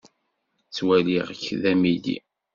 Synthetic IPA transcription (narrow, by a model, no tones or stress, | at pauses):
t͡sːwæliʁçðæmilḭ